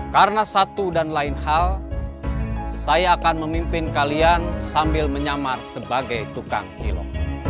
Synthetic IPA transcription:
kaɾənasat̪udanlaɪnhal | sajaːkanməmimpɪnkaliansambɪlməɲamarsəbaɡajt̪uka̰ŋt͡ʃḭlɔ̰ŋ

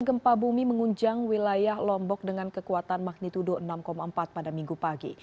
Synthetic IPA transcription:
ɡəmpabumiməŋuɲd͡ʒaŋwilajahlɔmbɔk̚dəŋankəkuat̪anmak̚nit̪udoənamkomaəmpat̪̚padamiŋɡupaɡḭ

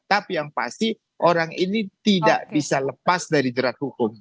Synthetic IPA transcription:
t̪apijaŋpa̰st̪i | ʔoɾaŋinit̪idaʔbisaləpasdaɾid͡ʒəɾat̪̚hukʊm

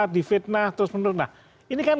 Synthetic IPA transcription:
d̪̥i̤fɪt̪̚naht̪əɾʊspənʊt̪̚nah | inikan

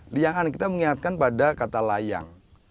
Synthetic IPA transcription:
liaŋankit̪aməŋiŋat̪̚kanpadakat̪alaja̰ŋ

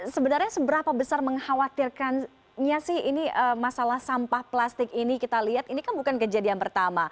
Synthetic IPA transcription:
səbənarɲasəbəɾapabəsarməŋhawat̪irkan | ɲasɪhiniʔəmasalahsampahplast̪ɪkinikit̪aliɦat̪inikanbukankəd͡ʒadianpərt̪ama

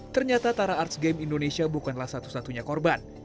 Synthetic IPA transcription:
t̪ərɲat̪at̪aɾaːrt̪sɡɛmindonesiabukanlahsat̪u̥sat̪uɲakɔrban

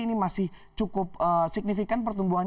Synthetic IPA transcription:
inimasɪht͡ʃukʊp̚əsik̚nifikanp̬ərt̪umbuɦan

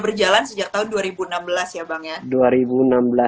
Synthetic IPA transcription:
bərd͡ʒalansəd͡ʒak̚t̪aɦʊnduaɾibuənambəlasjabaŋjaduaɾibuənambəla

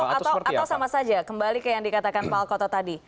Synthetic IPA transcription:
at̪aawsamasad͡ʒakəmbalikəjaŋdikat̪akanpaalkɔt̪at̪adi

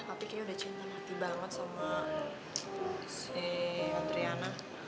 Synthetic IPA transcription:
t̪apikaɲaudaht͡ʃint̪amət̪ibaŋət̪̚sama | sɛand̪ɾiana

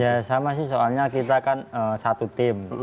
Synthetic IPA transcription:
jasamasɪhsoalɲakit̪akanəsat̪ut̪ɪm

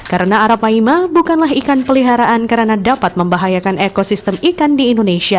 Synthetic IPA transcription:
kaɾənaːɾapaimabukanlaɦikanpəliɦaɾaʔankəɾənadapat̪̚məmbaɦajakanekosist̪əmikandiːndonesia

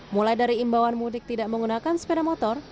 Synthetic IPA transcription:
mulajdaɾiːmbawanmunɪk̚t̪idaʔməŋɡunakansə̥pedamɔt̪ɔr

